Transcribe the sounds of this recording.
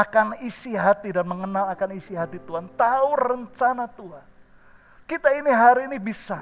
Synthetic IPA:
akanisiɦat̪idanməŋənalakanisiɦat̪it̪uɦant̪aʊrəɲt͡ʃanat̪uɦan | kit̪ainiɦaɾiːnibisa

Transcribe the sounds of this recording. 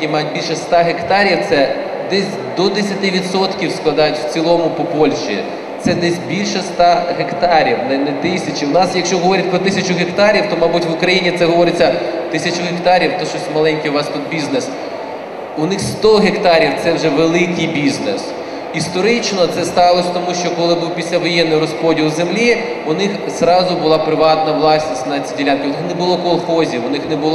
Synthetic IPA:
imɑjʊt̚ʲbʲilʲʃɛst̪ɑɦekt̪ɑɾʲiwt̪sɛ | d̪ɛsʲ | d̪ɔd̪esʲɐt̪ɪʋʲid̪sɔt̪kʲiwsklˠɐd̪ɑjʊtʲw̥t͡sʲilˠɔmʊpɔpɔlʲʃḭ | t̪sɛd̪ɛsʲbʲilʲʃɛst̪ɑɦekt̪ɑɾʲiwnɛnɛt̪ɪsʲɐt͡ʃiwnɑsjɐkʃt͡ʃɔɦɔʋɔɾʲɐt̚ʲpɾɔt̪ɪsʲɐt͡ʃʊɦekt̪ɑɾʲiwt̪ɔmɑbutʲʋʊkɾɐjinʲit̪sɛɦɔʋɔɾɪt͡sʲːɐt̪ɪsʲɐt͡ʃʊɦekt̪ɑɾʲiwt̪ɔʃɔsʲtʲmɐlˠɛnʲkiʋɑst̪ɔd̪̚bʲiznes | ʊnɪxst̪ɔɦekt̪ɑɾʲiwt̪sɛwʒɛʋelˠɪkɪjbʲiznes | ist̪ɔɾɪt͡ʃnɔt̪sɛst̪ɑʋlˠɔsʲt̪ɔmuʃt͡ʃɔkɔlˠɪbuwpʲisʲlʲɐʋɔjɛnːɔjɾɔspɔdʲilˠʊzemlʲi | ʊnɪxzɾɑzʊbʊlˠɑpɾɪʋɑt̪nɐʋlˠɑsʲnʲisʲtʲnɐt͡sʲidʲilʲankʲɪwʊnɪxnɛbʊlˠɔkɔlˠxɔzʲiʋʊnɪxnɛbʊlˠ

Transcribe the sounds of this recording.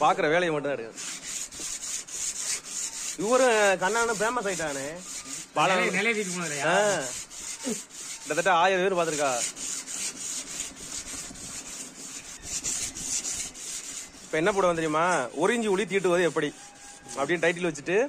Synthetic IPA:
paːɾkɯɾɐʋeːlɐjɐmɐʈ̬ːɯ̃naɐɽɯkːɐ | ɪʋːɐɾɯ̃kɐnːaːnɯ̃bɾeːmaːs̬aːɡɪʈːaːnepaːlɐɛlɐjʋiʈ̬ːɯkːljaːa | pːɐt̪̬ːɐʈːãaːjɐɾɐeːnɯpaːɾt̪̬ːɯɾɯkːaː | ɪpːɐɛnːɐp̬uːɽɐʋɐnd̪ɾɪjmːaːɔɾɪɲd͡ʒiʊɭit̪̬iːʈ̬ːɯʋɐðɯɛpːɐɽi | ɐpːɐɽɪnːʈɐɪʈ̬ːɪlʋɐt͡ʃːɯʈːɯ

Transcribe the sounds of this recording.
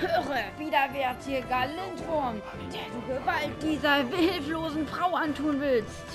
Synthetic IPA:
høːʁəviːdɐveːɐtd̥iːɐɡalɪntv̥ɔɐm | d̥eːɐduːɡəvalt̚d̥iːzɐvɪlfloːzn̩fʁ̥aʊantʰuːnvɪlst

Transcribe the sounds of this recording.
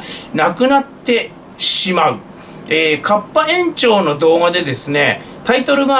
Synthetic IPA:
nakɯ̟nat̪ːe̞ | ɕimaɯ̟ | eːkʰapːaẽ̞ɲt͡ɕo̞ːno̞d̪o̞ːɡad̪e̞d̪e̞sɨne̞ | t̪ait̪o̞ɾɯ̟ɡa

